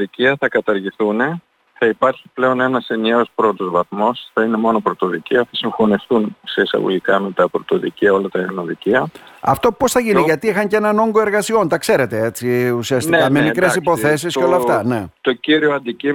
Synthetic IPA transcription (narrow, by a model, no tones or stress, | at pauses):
ðiciɐθɐkɐt̪ɐɾʝiθune̞ | θɐipɐɾçiple̞o̞ne̞nɐse̞nieo̞spɾo̞t̪o̞zvɐθmo̞sθɐine̞mo̞no̞pɾot̪o̞ðiceoθɐsiɱxo̞nifθunse̞isɐ̰ɣo̰ʝikɐme̞t̪ɐpɾot̪o̞ðḭciɐo̞lɐt̪ɐeɾno̞ðiciɐɐ̰ft̪o̞po̞sθɐʝiniʝɐt̪iixɐɲce̞nɐno̞ŋɡoe̞ɾɣɐsio̞nt̪ɐkse̞ɾe̞t̪e̞et͡siusiɐstt̪ikkɐmemikɾes̬ipo̞θe̞s̬isceo̞lɐːft̪ɐne̞t̪ociɾioɐnd̪ici